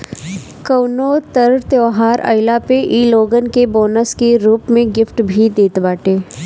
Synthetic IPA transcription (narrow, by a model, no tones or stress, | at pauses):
kɐʊnoːt̪ɐɾt̪jɔːɦaːɾʔɐ̰ɪlapeʔiːloːɡənkebɔːnəskeɾuːpmẽɡɪfʈbʱid̪eːt̪baːʈeː